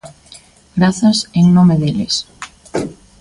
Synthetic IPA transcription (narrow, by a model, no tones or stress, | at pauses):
ɡɾaθaseŋnõmeðeles